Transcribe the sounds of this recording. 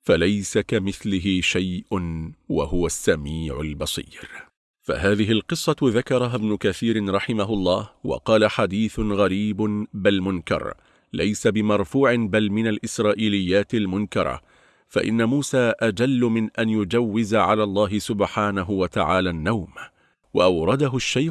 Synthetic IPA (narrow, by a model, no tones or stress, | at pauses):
falajsakamɪθlɪɦɪʃajʔʊnwa̰hʊwasːamiːʕʊlbɑsˤḭːɾ | fa̰ɦaːðɪɦɪlqɨsˤːɑðakɑɾˤɑɦabnʊkaθiːɾɪɾˤɑħɪmaɦʊlˤːɑːhwɑ̰qɑːlaħad̪iːθʊɣaɾiːbʊbalmʊnkɑ̰ɾˤ | lajsabɪmɑɾˤfuːʕɪbalmɪnalʔɪsɾˤɑːʔiːlɪjːaːt̪ɪlmʊnkɑɾˤɑ̰ | fa̰ʔɪ̰nːamuːsaːʔad͡ʒalːʊmɪnʔanjʊd͡ʒawːɪzaʕalaːlˤːɑːɦɪsʊbħaːnaɦʊwat̪aʕaːlaːnːawm | waʔɑwɾˤɑd̪aɦʊʃːaj